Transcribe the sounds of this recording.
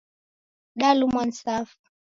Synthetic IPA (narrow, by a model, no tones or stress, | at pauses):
ɗalumwan̩safu̥